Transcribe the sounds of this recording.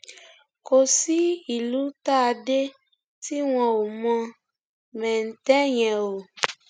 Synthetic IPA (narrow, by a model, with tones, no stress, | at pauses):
ko˧si˦i˨lu˨˦ta˦a˧de˦ | ti˦w̃ɔ̃˧o˨mɔ̃˧ | mɛ̃˨n̩˨tɛ˦j̃ɛ̃˨o˨